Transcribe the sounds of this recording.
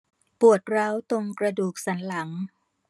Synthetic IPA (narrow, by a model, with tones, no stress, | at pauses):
pu˨˩ət̪̚ɾa˦˥wt̪o˧ŋkɾa˧duː˨˩k̚sa˩˦nla˩˦ŋ